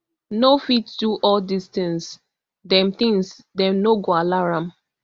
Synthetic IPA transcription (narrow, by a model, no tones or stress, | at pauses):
nofitduʔɔldistɛ̃ns | dɛ̃mt̪ĩŋs | dɛ̃mnoɡoalaɹãm